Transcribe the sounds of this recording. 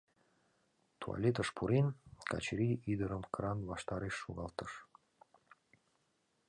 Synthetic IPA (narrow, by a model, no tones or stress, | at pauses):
t̪ʰuɑ̰lʲet̪əʃpʰuɾenkɑ̰t͡ɕɾiʔid̪əɾəmkɾɑnβɑʃt̪ɑɾeʃːuɣɑlt̪əʃ